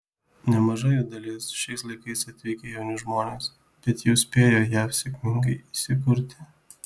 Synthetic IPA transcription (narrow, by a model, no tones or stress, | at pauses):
nʲɛmɐʒɐjod̪ɐlʲɪsʃʲɛɪslˠɐɪkɐɪsɐt̪ʲʋʲɛɪkʲejɛʊnʲʊʒmoːnʲeːs | b̥ʲɛt̪jɛʊsʲpʲeːjoːjæfsʲekʲmʲɪŋɡɐɪisʲɪkʊɾʲt̪ʲɪ